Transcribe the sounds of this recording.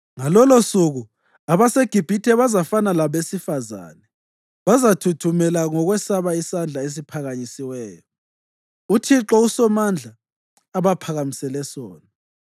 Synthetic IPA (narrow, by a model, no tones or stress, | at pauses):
ŋalɔlosuɣu | aβaseɡ̥ʱib̥ʱitʰɛβazafanalaβesifaza̰ːnɛ | βazatʰutʰumɛlaŋɔɣwɛsaβaisand͡ɮʱaes̬ipʰaɣaɲisiwɛːjɔ | utʰiǁɔusɔmand͡ɮʱaː | βapʰaɣamisɛlɛsoːna